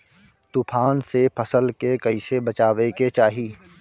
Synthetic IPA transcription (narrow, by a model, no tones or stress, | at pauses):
t̪upʰaːnsepʰɐsəlkekɐɪsebɐt͡ʃaːʋeket͡ʃaːɦiː